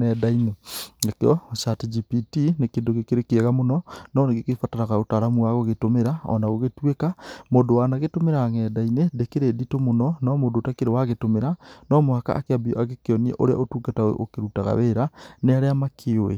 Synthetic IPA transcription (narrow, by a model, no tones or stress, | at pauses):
ɛdainenakeɔʃatid͡ʒipitinekeːndoɣekeɾekeɛɣamonɔnɔneɣekefataɾaɣaotaɾamuaɣoɣetomeɾaɔ̰naɣoɣetwekamoːndowanaɣetomeɾaŋɛːdainedekeɾeːditomonɔnɔmoːdotakeɾewaɣetomeɾanɔmoaka̰ʔːkeabiɔaɣekeɔniɛ̰ʔo̰ɾea̰otuːɡatao̰ʔo̰keɾutaɣa̰βeɾaneaɾeamakʰeoḛ